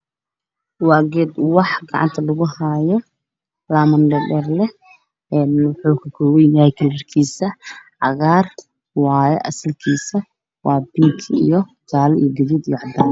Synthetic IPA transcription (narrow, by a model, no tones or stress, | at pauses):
wɑːɣɛːd̪wɑħɡɑ̰ʕɑ̰nt̪ʰɐlɐɣʊhaːjɔ | laːmɐnɖɛɖɛːrlɛ | ɛːnwʊħuːkʰɐkʰɔwɛjjaːɛjkʰɐlɐrkʰiːsɐʕɑɣaːr | wɑːjɛʔɐsɐlkʰiːsɐ | wɑːbɪŋkʰɪḭjɞd͡ʒaːlɛḭjɔɡɐðiːd̪ijɔʕɑd̪aːn